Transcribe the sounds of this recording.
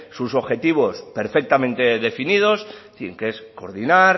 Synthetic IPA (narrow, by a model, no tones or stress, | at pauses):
suso̞βxe̞t̪iβ̞o̞spe̞ɾfe̞k̚t̪amẽnt̪e̞ðe̞finið̞o̞sθŋkesko̞̰ɾðinaɾ